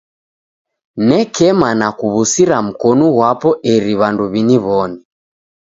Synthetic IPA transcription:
nɛkɛmanakuβusiɾam̩kɔnɔɣwapɔʔɛɾiβanduβiniβɔni

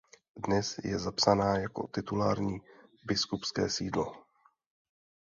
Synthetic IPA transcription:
dnɛsjɛ̰zapsanaːjako̞̰t̪ɪt̪ulaːɾɲiːbɪskupskɛːsiːdlo̞̰

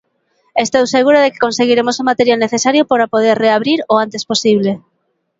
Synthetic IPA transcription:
est̪owseɣuɾoðeke̥konseɣiɾemosomat̪eɾjalneθesaɾjopoɾapoð̞eɾreaβ̞ɾiɾoant̪esposiβ̞le

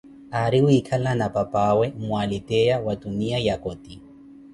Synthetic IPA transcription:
aɾiwikʰalanapapawemwalit̪ejawat̪uniajakot̪i

